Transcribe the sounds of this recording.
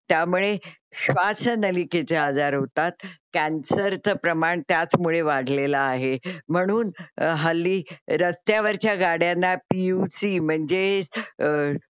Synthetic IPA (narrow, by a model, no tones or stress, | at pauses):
t̪jamuɭeɕʋasənəliket͡sead͡zaɾɦot̪at̪̚kænsəɾt͡səpɾəmaɳt̪jat͡smuɭeʋaɽ̤ʱlelaːɦem̤əɽ̃uːnɦalːiːɾəst̪jaʋəɾt͡ɕjaɡaɽjanːapiusim̤əɳd͡ze